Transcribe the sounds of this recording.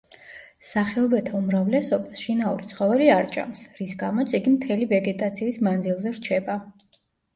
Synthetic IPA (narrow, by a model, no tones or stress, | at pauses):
saχɛɔbɛt̪ʰaumɾavlɛsɔbaʃinaṵɾit̪sʰχɔvɛliaɾt͡ʃʼa̰msɾisɡamɔt̪sʰiɡimt̪ʰɛlivɛɡɛt̪ʼat̪sʰiːsmand̪zilˠzɛɾt͡ʃʰɛba